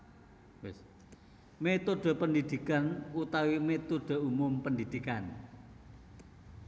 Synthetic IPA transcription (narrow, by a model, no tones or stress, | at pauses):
wɪs | met̪oɖ̥o̤pəndid̪̥ikanut̪awimet̪uɖ̥o̤umʊmpənd̪id̪̥ikan